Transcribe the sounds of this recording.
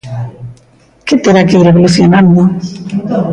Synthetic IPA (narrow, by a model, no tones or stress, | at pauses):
ket̪eɾakeiɾeβoluθjonãnd̪o